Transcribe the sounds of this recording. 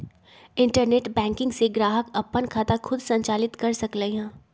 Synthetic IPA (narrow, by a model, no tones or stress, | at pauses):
ɪ̃ɳʈəɾneːʈbɛ̃ːŋkɪ̃ŋɡseɡɾaːɦəkɐpːənkʰaːt̪axʊd̪sɐ̃ɲt͡ʃaːlɪt̪kɐɾsɐkleɦãː